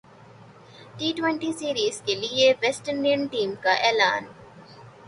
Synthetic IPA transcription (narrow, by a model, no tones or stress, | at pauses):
ʈiːʈʋẽɳʈisiːɾiːzkelieʋesʈəɾniɳʈiːmkaʔɛːla̰ːn